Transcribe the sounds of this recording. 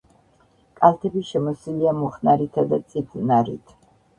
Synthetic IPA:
kʼalt̪ʰɛbiʃɛmɔsiliamɔχnaɾit̪ʰad̪at̪sʼipʰnaɾḭt̪ʰ

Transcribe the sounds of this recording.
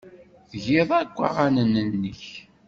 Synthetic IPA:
θʝɪðˤæɡʷːa̰ʁanənənːəç

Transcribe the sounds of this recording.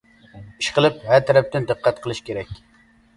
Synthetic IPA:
iʃqʰəlˠɨp̚hæɾt̪ʰɛɾɛp̚t̪ɪnd̪əqʰːɛt̪̚qʰəlˠɨʃkʲeɾɛkʲ

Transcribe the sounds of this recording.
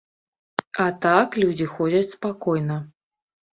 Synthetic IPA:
at̪aklʲud͡zʲixɔd͡zʲɐt͡sʲspakɔjnɐ

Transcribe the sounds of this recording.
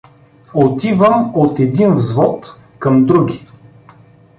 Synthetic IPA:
ot̪ivəmot̪ɛd̪invzvɔt̪ | kɐmd̪ɾuɡʲi

